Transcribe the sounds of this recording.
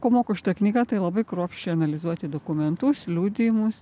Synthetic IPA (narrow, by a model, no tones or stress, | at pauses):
koːmoːkoʃʲɪ̥t̪ɐknʲiːɡɑːt̪ɐɪlˠɐbɐɪkɾuːpʲʃʲt͡ʃʲɛɪɐnɐlʲɪzuɔt̪ʲɪd̪oːkʊmʲɛnt̪ʊslʲuːd̪ʲiːmʊs